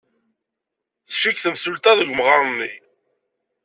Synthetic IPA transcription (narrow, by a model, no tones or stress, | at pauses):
θʃikθəmsult̪æðəʝʷmʁəɾˤnːi